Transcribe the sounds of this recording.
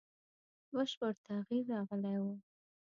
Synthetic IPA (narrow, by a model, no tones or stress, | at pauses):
bəʃpəɾt̪aɣiɾːɑɣəlajwu